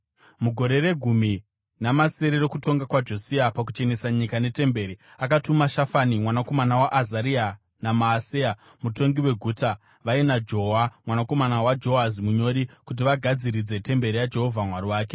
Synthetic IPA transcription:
muɡʱo̞ɾe̞re̞ɡʱumi | namase̞ɾeɾo̞kuto̞ŋɡakwad͡ʒo̞siapak̬ut͡ʃe̞nesaɲikane̞te̞mbe̞ːɾiakatumaʃafanimwanako̞manawaʔazaɾia | namaːsea | muto̞ŋɡiwe̞ɡʱuːta | ʋainad͡ʒo̞ɦamwanako̞manawad͡ʒo̞azimuɲo̞ɾikut̬iʋaɡʱad͡ziɾid͡ze̞te̞mbe̞ɾijad͡ʒe̞ɦo̞vʱamwariwaːk̬e

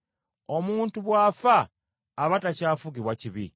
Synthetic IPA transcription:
omuːntuβwaːfaː | βatacaːfuɡiβwaciβḭ

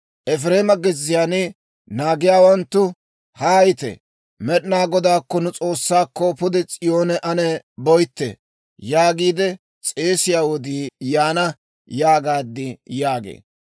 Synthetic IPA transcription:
ʔɛfɾe̞ːmɐɡɪzːɪjaːnɪ | naːɡɪjaːwɐnt̪ːʊ | hɐɐjt̪ɛ̰ | mɛɗnaːɡɔd̪aːkːɔnʊt͡sʼo̞ːsːaːkːɔpʊd̪ɛt͡sʼɪjoːnɛʔɐnɛbɔjt̪ːɛ̰ | jaːɡiːd̪ɛ | t͡sʼeːsɪjaːwɔd̪iːjaːnɐ | jaːɡaːd̪ːɪjaːɡḛː

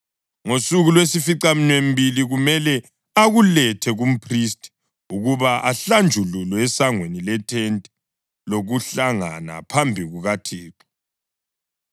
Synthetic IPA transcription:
ŋosuɣulwesifiǀam̩nwem̩biliɣumɛlɛ | aɣulɛtʰɛɣum̩pʰristʰʼ | uɣuβaʔaɬand͡ʒʱululwɛɛsaŋwenilɛtʰɛntʼɛ̥ | loɣuɬaŋana̰pʰambʱiɣuɣatʰeːǁi̥

